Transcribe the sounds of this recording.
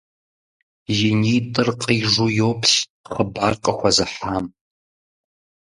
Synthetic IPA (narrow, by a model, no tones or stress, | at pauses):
jɪnitʼɨrqʼiʐujowpʰɕχəbarqʼɐxʷazaħam